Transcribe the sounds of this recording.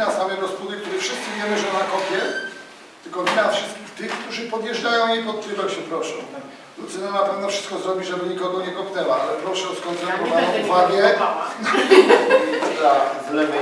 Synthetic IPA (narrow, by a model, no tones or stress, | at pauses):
nasamɛɾɔspud̪ɘkt̪uɾɘfʂɘst̪sɘvʲjɛmɘʐɛmakɔpʲjɛt̪ | t̪ɘlkɔvʲinafʂɘst̪kʲixt̪ɘxkt̪uʐɘpɔd̪jɛʐd͡ʐajɔ̃w̃jipɔt̪̚t̪ɾɪvɛwɕɛpɾɔʂɔ̃w̃ | lut̪sɛnanapɛvnɛfʂɨst̪kɔzɾɔbʲiʐɛbɘɲikɔɡɔɲɛkɔpʲnɛwaalɛpɾɔʂɛɔskɔnt̪ɛuɾɔvaɲɛ̃uvaɡʲjɛ | ɾa | lɛɡ